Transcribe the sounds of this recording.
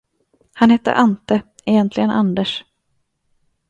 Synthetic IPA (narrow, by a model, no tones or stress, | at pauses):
hanhɛt̪ːə̰ʔant̪ə | ɛjɛnt̪ʰlɪɡənʔand̪əʂ